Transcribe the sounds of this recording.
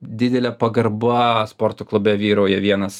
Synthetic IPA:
d̪ʲɪd̪ʲɛlʲɛpɐɡɐrbɐspoːrt̪oklˠʊbʲɛʋʲiːɾoːjɛʋʲiɛnɐs

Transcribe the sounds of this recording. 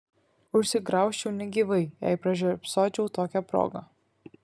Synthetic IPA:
ʊʃʲsʲɪɡɾɑˑʊʃʲt͡ʃʲɛʊnʲɛɡʲiːʋɐɪjæ̰ɪpɾɐʒʲupsoːt͡ʃʲɛʊt̪oːkʲɛpɾo̰ːɡɐ

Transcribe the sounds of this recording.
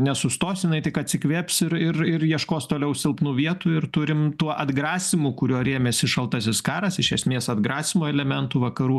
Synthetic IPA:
nʲɛsʊst̪oːsjɪnɐɪt̪ʲɪkɐt̪ʲsʲɪkʋʲeːpʲsɪɾɪɾɪɾjiɛʃkoːst̪oːlʲɛʊsʲɪlˠpnuːʋʲiɛt̪uːɪɾt̪ʊɾʲɪmt̪uɔʔɐd̪ɡɾɑːsʲɪmʊːkʊɾʲuɔɾʲeːmʲɛsʲɪʃɐlˠt̪ɐsʲɪskɑːɾɐsɪʃʲɛsʲmʲeːsɐd̪ɡɾɑːsʲɪmoːɛlʲɛmʲɛnt̪uːʋɐkɐɾuː

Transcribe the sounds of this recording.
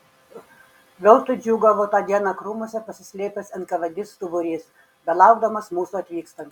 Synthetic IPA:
ʋʲɛlˠt̪ʊd͡ʒʲuːɡɐʋoːt̪ɑːd̪ʲiɛnɑkɾuːmoɔsʲɛpɐsʲɪsʲlʲeːpʲɛsʲɐnt̪kɐʋʲɐd̪ʲɪst̪ʊbʊɾʲiːs | bʲɛlˠɑˑʊɡd̪ɐmɐsmuːsuɐt̪ʲʋʲiːkst̪ɐnt̪

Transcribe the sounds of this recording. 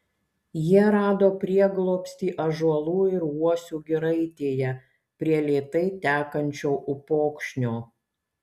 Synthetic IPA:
jiɛɾɑːd̪oːpʲɾʲiɛɡlˠoːpʲsʲt̪ʲiːʔɐʒuɔlˠuːɪɾuɔsʲuːɡʲɪɾɐɪt̪ʲeːjɛ | pʲɾʲiɛlʲeːt̪ɐɪt̪ʲæːkɐnʲt͡ʃʲoːʔʊpoːkʃʲnʲoː

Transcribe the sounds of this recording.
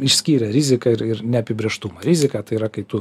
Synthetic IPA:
ɪʃʲsʲkʲiːɾʲɛɾʲizʲɪkɐɪɾɪɾnʲɛɐpʲɪbʲɾʲeːʃt̪umɐɾʲɪzʲɪkɐːt̪ɐɪiːɾɐkɐɪt̪ʊ

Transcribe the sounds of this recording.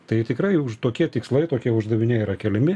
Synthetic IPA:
t̪ɐɪt̪ʲɪkɾɐɪʊʃt̪oːkʲiɛt̪ʲɪkslˠɐɪt̪oːkʲiɛʊʒd̪ɐʋʲɪnʲɛiɾɐkʲɛlʲɪmʲɪ

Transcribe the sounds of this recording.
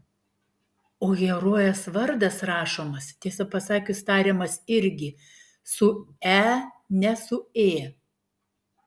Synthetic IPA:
oːɡʲɛɾoːjɛsʋɐɾd̪ɐsɾɑːʃoːmɐst̪ʲiɛsɐpɐsɑːkʲʊst̪ɑːɾʲeːmɐsɪɾʲɡʲɪ | sʊæːnʲɛsʊeː

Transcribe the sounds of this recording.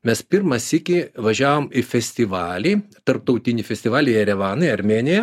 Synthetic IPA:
mʲɛspʲɪɾmɐsɪkʲɪʋɐʒʲæːʋoːmɪfʲɛsʲt̪ʲɪʋɑːlʲiːt̪ɐɾp̚t̪ɐʊt̪ʲɪnʲɪfʲɛsʲt̪ʲɪʋɑːlʲɪɐɾʲɛʋɑːnɐɪɐɾʲmʲeːnʲɪjɛ

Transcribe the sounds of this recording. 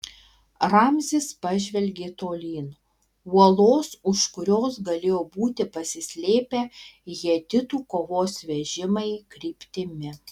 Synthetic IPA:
ɾɑmʲzʲɪspɐʒʲʋʲɛlʲɡʲeːt̪oːlʲiːn | uɔlˠoːsʊʃkʊɾʲoːsɡɐlʲeːjoːbuːt̪ʲɪpɐsʲɪsʲlʲeːpʲeːjiɛd̪ʲɪt̪uːkoːʋoːsʋʲɛʒʲɪmɐɪkɾʲiːpʲt̪ʲɪmʲɪ

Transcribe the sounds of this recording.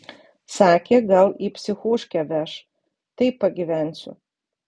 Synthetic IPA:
sɑːkʲeːɡɐlˠipʲsʲɪxoːʃʲkʲɛʋʲæʃ | t̪ɐɪpːɐɡʲiʋʲænʲsʲʊ̰

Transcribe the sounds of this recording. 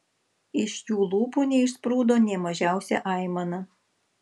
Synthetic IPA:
ɪʃʲjuːlˠuːpuːnʲɛɪʃspɾuːd̪oːnʲɛmɐʒʲæˑʊsʲɛ̰ʔɑˑɪmɐnɐ

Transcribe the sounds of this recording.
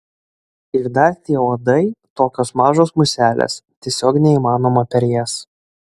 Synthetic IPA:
ɪɾd̪ɐɾt̪ʲiɛoːd̪ɐɪt̪oːkʲoːsmɑːʒoːsmʊsʲæːlʲḛːst̪ʲiɛsʲoːknʲɛiːmɑːnoːmɐpʲɛɾʲjɛs

